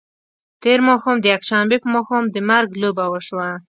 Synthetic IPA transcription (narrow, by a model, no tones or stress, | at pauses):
t̪eɾmoxomd̪əjakʃambepəmoxomd̪əmaɾɡlobawəʃwa